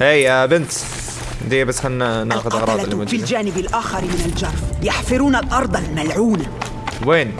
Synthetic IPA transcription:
ʔejbɪnt̪ | d̪iːbasxannːɑqʊd̪ʔɑɣɾˤɑːd̪ɪlmʊd̪fild͡ʒaːnɪbɪlʔaːxɪɾmɪnald͡ʒɑrˤːjaħfɪɾuːnalʔɑɾˤd̪ˤɑlmalʕuːna | weːn

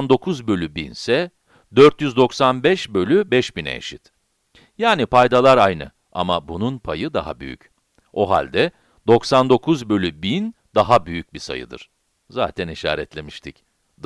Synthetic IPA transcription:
nd̪o̞kʰuzbø̞lʲybinsɛ | d̪øɾt̪jyzd̪o̞ksanbɛʃbø̞lʲybɛʃbinɛ̰ḛʃit̪ | jaːnipajd̪alˠaɾajnɯ̰ | a̰ma̰bununpʰajɯd̪a̰ɦa̰by̰jy̰c | o̞ɦa̰lʲd̪ɛ | d̪̥o̞ksand̪o̞kʰuzbø̞lʲybin | d̪̥aɦabyjyc̚bisa̰jɯ̰d̪ɯ̰ɾ̥ | za̰ːt̪ʰɛniʃa̰ːɾɛt̪lʲe̞miʃt̪ʰic

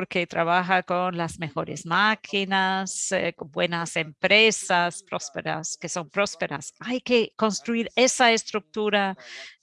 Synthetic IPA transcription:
poɾket̪ɾʔaβaxakonlazme̞xo̞ɾḛzmakʰinasbwenasempɾesaspɾospeɾa̰skeso̞mpɾo̞speɾa̰sajkeko̞nst̪ɾuiɾesaest̪ɾuk̚t̪uɾa

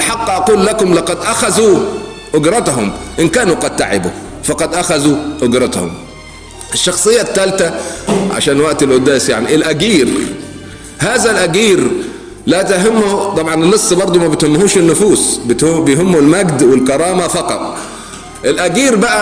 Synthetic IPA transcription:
ɪlħɑqːʔɑquːlːakʊmlɑqɑd̪ʔaxazu | ʔʊɡɾˤɑt̪ɦʊmʔɪnkaːnuqɑd̪̚t̪aʕɪ̰bu | fɑqɑd̪ʔaxazuʔʊɡɾˤɑt̪hʊ̰m | ʔɪʃːɑxsˤɨjːat̪ːalt̪aʕa̰ʃaːnwaʔt̪ɪlʔʊd̪ːaːsjaʕniʔɪlʔaɡiːɾ | haːzalʔaɡiːɾ | lat̪aɦɪmːʊt̪ˤɑbʕɑnɪnːɨsˤːbɑɾˤd̪ˤumabɪt̪hɪmːhuːʃɪnːʊfuːsbɪbɪjɦʊmːulmaɡd̪wɪlkɑɾˤɑːmafɑqɑ̰t̪ˤ | ʔɪlʔaɡiːɾbaʔa

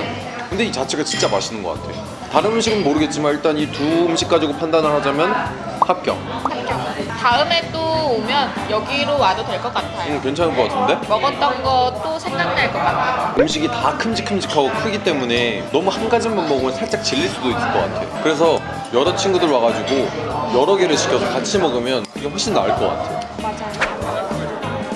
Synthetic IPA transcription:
kɯnde̞it͡ɕat͡ɕʰe̞ɡat͡ɕint͡ɕ͈ama̰ɕʰinɯnɡʌk͈a̰tʰe̞jo | taɾɯnɯmɕ̬ʰiɡɯnmoɾɯɡe̞t̚t͡ɕ͈imaniɭt͈anituɯmɕʰik̚k͈ad͡ʑiɡopʰandanɯɭɦad͡ʑamjʌn | hap̚k͈jʌ̰ŋ | hak͈jʌtaɯme̞t͈oomjʌn | jʌɡiɾowadodweɭk͈ʌk͈atʰajoɯkwe̞nt͡ɕʰaŋkʌkatʰɯnde̞mʌɡʌt͈̚ʌnɡʌt͈̚osʰe̞ŋdaŋ̚neɭkʌk͈atʰaoɯmɕ̬ʰiɡitakʰɯmd͡ʑikʰɯmd͡ʑikʰaɡokʰɯɡit͈e̞mune̞nʌmuhanɡad͡ʑinbammʌɡɯmɯɭnsʰaɭt͡ɕ͈ak̚t͡ɕiʎːiɭs͈udoik͈ɯk͈ʌk͈atʰe̞̰jo̰kɯɾe̞s̬ʰʌ | jʌɾʌt͡ɕʰinɡudɯɭwaɣad͡ʑuɡojʌɾʌɡeɾɯɭɕʰi̥kʰʌsʰʌkat͡ɕʰimʌɡɯmjʌniɡeɦwoɭɕ͈inːa̰ɭk͈ʌk͈a̰tʰe̞jo̰ | mad͡ʑajo

